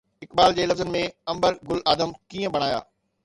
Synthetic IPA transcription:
ɪkbaːld͡ʑeːɪləfzənɪ̆mẽɐ̃mbəɾɡʊlaːd̪əmkiːə̃bɐɽ̃aːja̰ː

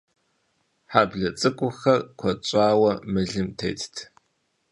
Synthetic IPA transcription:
ħabɮɐt͡sʼɨkʷʼʊxɐrkʷʰɔt͡ʃʼaːwɐmɨɮɨmtʰḛjtʰtʰ

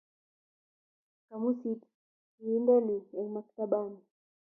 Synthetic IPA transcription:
kamusit | indɛliɛlmak̚t̪aɓani

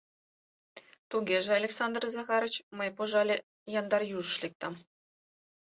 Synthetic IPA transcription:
t̪uɡʲeʒĕɑlʲeksɑnd̪rzɑχɑɾɤ̆t͡ɕmɤjpoʐɑlʲe | jɑnd̪ɑrjuʐɤ̆ʃlʲek̚t̪ɑm

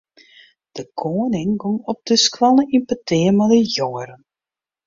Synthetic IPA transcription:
d̥əkʰoːənɪŋɡɔŋɔp̚dəskwalˠəʔimpatɪəmɛdəjɔːəɾən

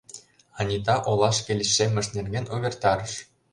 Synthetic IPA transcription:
ɑnʲit̪ɑʔolˠɑʃkʲelʲɘʃːemʲːɘ̆ʃnʲerɡʲenʲuβʲert̪ɑɾɤ̆ʃ

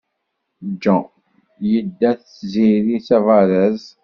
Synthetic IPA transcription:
d͡ʒːɑ̃ | jəd̪ːæθ | ziɾisævɑɾəz

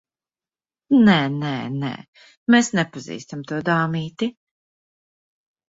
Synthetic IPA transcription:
nɛːnɛ̰ːnɛ̰ː | mesnɛpazḭːst̪amt̪uɔd̪aːmiːt̪i

